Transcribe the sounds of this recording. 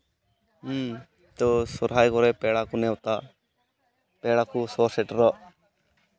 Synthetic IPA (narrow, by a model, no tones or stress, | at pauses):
t̪ɔsɔɾɦaːjkɔɾɛpɛɽakunɛwt̪a | pɛːɽakusɔsɛʈɾɔ